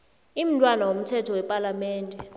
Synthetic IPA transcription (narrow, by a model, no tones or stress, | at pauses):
im̩tʼwanawom̩tʰɛtʰɔwɛpʼalamɛːndʱɛ